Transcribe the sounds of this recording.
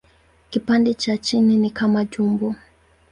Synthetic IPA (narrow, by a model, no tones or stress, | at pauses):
kipandɛt͡ʃat͡ʃininikamaʄumbɔ